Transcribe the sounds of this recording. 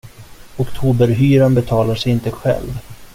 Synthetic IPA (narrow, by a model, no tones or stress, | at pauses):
ʊkt̪ʰuːbəɾɦyːɾanbɛt̪ʰɑːlaʂɛjɪnt̪əɧɛ̰lv